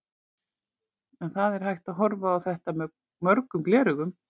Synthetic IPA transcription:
ɛnθaðɛɾ̥hajht̪aðɦɔɾvaːðθɛht̪amɛ | mœɾkʏmklɛːɾʏɣʏm

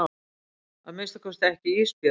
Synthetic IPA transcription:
aðmɪst̪akʰɔst̪ɛhcɪispɪ

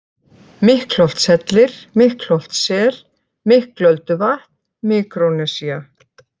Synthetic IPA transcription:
mɪhklɔwl̥t̪sɛt̪lɪɾ̥mɪhklɔl̥t̪sɛːɾ̥ | mɪhklœlt̪ʏvaht̪nmɪːkɾonɛsia

